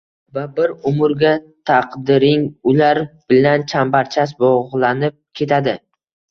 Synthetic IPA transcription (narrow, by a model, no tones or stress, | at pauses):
vabɪɾʊmʊɾɡʲat̪ʰɑqd̪ɪɾɪŋʊlaɾb̥ɪlant͡ʃʰambaɾt͡ʃʰasbɒʁlˠanɪp̚kʲʰe̞t̪ʰad̪ɪ